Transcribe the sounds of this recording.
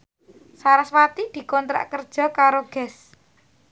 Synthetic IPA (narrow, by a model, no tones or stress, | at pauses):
saɾaswat̪id̪̥i̤kɔnt̪ɾa̰ʔkərd̥ʒ̥ɔ̤kaɾoɡ̥ɛ̤s